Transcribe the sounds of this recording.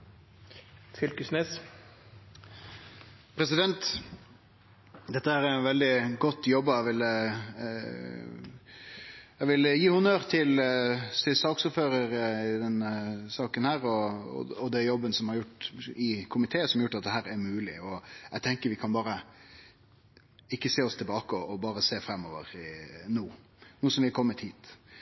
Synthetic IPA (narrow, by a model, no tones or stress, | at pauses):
fʏlkʉsnɛs | pʰɾɛsɪd̪ɛnt̪ | d̪ɛt̪ːəæːɾænʋɛld̪ɪɡɔt̪ːjɔbːəæʋɪl | æʋɪljiːhʉnøɾt̪ʰɪlsɪsɑːksʊɾføːɾəɾɪd̪ɛnːəsɑːkənhæːɾɔɔ̰ɔd̪ɛjɔbːənəsɔmhɑɾjʊʈːɪkʰʊmɪt̪ʰeːəsɔmɑɾjʊʈːɑt̪̚d̪ɛɦæːɾɛɾmʉːlɪ̰ɔæt̪ʰɛŋkəɾʋɪkʰɑnbɑːɾə | ɪkːəseːɔst̪ʰɪlbɑːkəɔʔɔbɑːɾəseːfɾɛmːɔːʋə̰ɾnuː | nuːsɔmʋɪkʰɔmːət̪hiːt̪